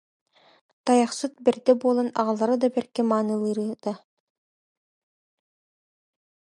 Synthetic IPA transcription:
t̪ɑjɑχsut̪̚bɘ̆ɾd̪ɛbolˠɑnɑ̰ʁɑlˠɑɾɯd̪ɑbæɾkɛmɑːnɯlˠɯɾɯd̪̥ɑ

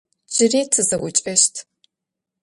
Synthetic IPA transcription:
d͡ʒɪriːtʰɨzɐʔʷʊt͡ʃʼɐʃtʰ

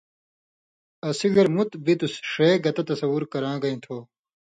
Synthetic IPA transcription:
ɐsiɡɐɾmut̪bit̪usʂeːɡɐt̪ɐt̪ɐsɐwuɾkɐɾãːɡɐĩt̪ʰoː

